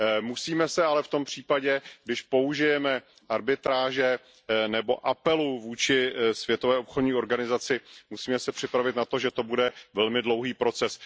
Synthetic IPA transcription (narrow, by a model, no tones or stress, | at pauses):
musiːmɛsɛalɛft̪ompr̝̥iːpaɟɛɡdɪʃpo̞uʒɪjɛmɛ | ʔaɾbɪt̪ɾaːʒɛ | nɛbo̞̰ʔapɛluvuːt͡ʃɪsvjɛt̪o̞vɛːopxodɲiːo̞ɾɡanɪzat͡sɪmusiːmɛsɛpr̝̥ɪpɾavɪt̪nat̪o̞ʒɛt̪o̞budɛvɛlmɪdlo̞wɦiːpɾo̞t͡sɛs